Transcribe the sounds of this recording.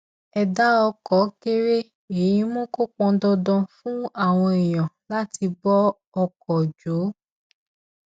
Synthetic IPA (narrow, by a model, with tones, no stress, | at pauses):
ɛ˨da˨˦ɔ˧kɔ˨˦ke˦ɾe˦ | e˨jĩ˦mɔ̃˦ko˦k͡pɔ̃˧dɔ˧dɔ̃˧fũ˦a˦˨w̃ɔ̃˧i˨j̃ɔ̃˨la˦ti˧bɔ˦ | ɔ˧kɔ˨d͡ʒo˨˦